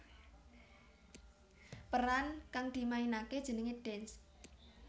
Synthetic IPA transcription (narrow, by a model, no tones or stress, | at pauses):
pəɾankaŋd̪̥i̤mainaked̥ʒ̥ə̤nəŋeɖ̥ɛns